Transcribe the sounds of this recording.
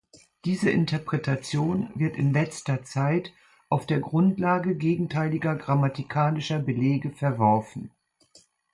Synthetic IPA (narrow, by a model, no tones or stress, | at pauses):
d̥iːzəʔɪntɐpʁ̥ɛtat͡sjoːnvɪɐtɪ̰nlɛt͡stɐt͡saɪt | ʔaʊfd̥eːɐɡʁʊntlaːɡəɡeːɡŋ̩tʰaɪlɪɡɐɡʁamatikʰaːnɪʃɐbəleːɡəfɛɐvɔɐfn̩